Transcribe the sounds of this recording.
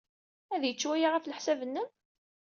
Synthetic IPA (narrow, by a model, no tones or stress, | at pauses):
æðjət͡ʃːwæjaʁafləħsævənːəm